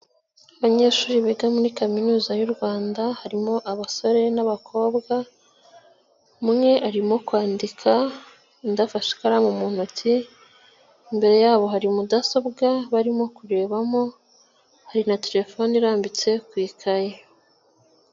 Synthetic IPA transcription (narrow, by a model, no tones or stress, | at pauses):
aβaɲe̞ːʃuːɾiβeɡamuɾikaminuːzajuɾɡwaːndahaɾimo̞ʔaβaso̞ɾe̞naβakʰo̞ːbɡa | mŋe̞ʔaɾimo̞kwaːndikʰa | ndafaʃi̥kaɾamumun̥otʰi | mbe̞ɾe̞jaːβo̞ɦaɾimudaso̞bɡaβaɾimo̞kuɾe̞ːβamo̞ | haɾinate̞ɾe̞fo̞niɾaːmbit͡se̞kwiːkʰaje